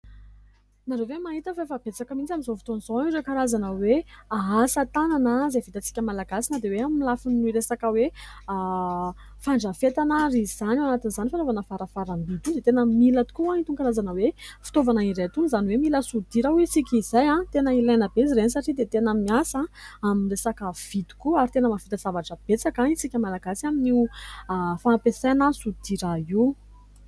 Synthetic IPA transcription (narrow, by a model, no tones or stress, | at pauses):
naɾevemaɦit̪əfafab̥et͡sakəmint͡samizofi̥t̪oniz̥oaiɾekaɾazanəweaɦasət̪ananəzevit̪at͡si̥kʲəmalaɡasinəd̪eweamilafiniɾesakəwe | faɳɖ͡ʐəfet̪anaɾiz̥anawanat̪inzanifanovanəfaɾəfaɾambit̪ud̪et̪enəmilət̪u̥kuãint̪ukaɾazanəwefi̥t̪ovanairet̪unizaniwemiləsud̪iɾawisikʲizajãt̪enəilajnəbeziɾenisaʈ͡ʂid̪et̪enəmiasãaminresakəv̥id̪u̥kuaɾit̪enəmavit̪azavaʈ͡ʂəb̥et͡sakãisikʲəmalaɡasiamini | faapesanasud̪̥iɾai